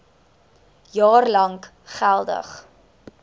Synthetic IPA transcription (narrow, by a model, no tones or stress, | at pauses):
jɑːrlɐŋk | χælˠdə̰χ